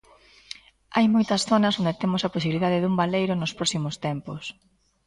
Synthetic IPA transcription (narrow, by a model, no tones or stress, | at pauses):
ajmojt̪ɐsθonɐsond̪et̪emʊsɐposiβiliðaðɪðumbalejɾʊnʊspɾɔsimʊst̪ɛmpʊs